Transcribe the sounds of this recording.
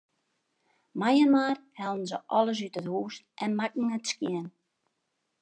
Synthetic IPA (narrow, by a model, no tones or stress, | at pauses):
majənmaːrhɛlˠdn̩zəʔɔlˠəs̬ytəthuːstʔɛnmakŋ̩ətskjɪən